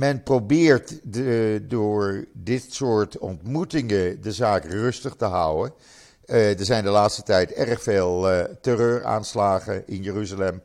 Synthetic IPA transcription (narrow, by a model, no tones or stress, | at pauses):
mɛnprowbɪːɹt | dʊːɹdɪtsʊːɹtɔ̰ntmutɪŋədəzaːkrɵstəχtəɦʌwən | dəɹzɛjndəlaːtstətɛjtɛrəχfeːlˠtərøːɹa̰ːnslaːχəɪnjəryzalɛm